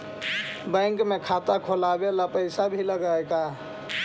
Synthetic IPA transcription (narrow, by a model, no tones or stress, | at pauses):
bə̃ŋkmekʰat̪akʰolabelapəɪsabʱiləɡajka